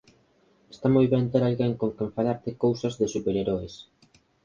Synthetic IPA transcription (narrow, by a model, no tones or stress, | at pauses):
est̪amojβent̪eɾalɣeŋkoŋkeɱfaʎaɾt̪ɪkowsazðɪsupeɾeɾoes